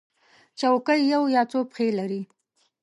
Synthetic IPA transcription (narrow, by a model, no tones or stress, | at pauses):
t͡ʃawkəjːawjɑt͡sopxelaɾi